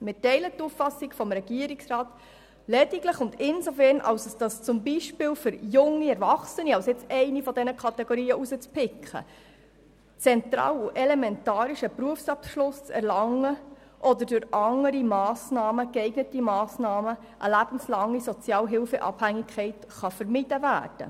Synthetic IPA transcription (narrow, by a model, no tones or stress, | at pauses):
mɪtɛɪlətːuffɑsikfɔmɾɛɡ̥iəɾiksrɑːt | lɛdiɡləχʊnd̪ɪnzofɛɾnʔɑ̰wsəsd̥ɑst͡sʊmbiʃpɪːlfʏɾjʊŋːiɛɾvɑχsəniɑwsɪt͡sɛɪnifɔd̪ɛnəkʰχɑt̪ɛɡoɾiːəʔusət͡spʰɪkχə̰ | t͡sɛnt̪ɾɑ̰ːluʔɛlɛmɛntɑːɾiʃəpɾuəfsɑpʃlʊst͡sɛ̰ɾlɑŋːə | ʔɔd̪əɾdʊɾɑŋːəɾimɑːsnɑːməkɛɪɡnətimɑːsnɑːmə | ʔəlæb̥ən̩slɑŋːisɔt͡sjɑːlɦɪlfə̰ʔɑ̰b̥hæŋikʰːɛɪt | χɑfəɾmid̥əvæ̰ːɾd̥ə̰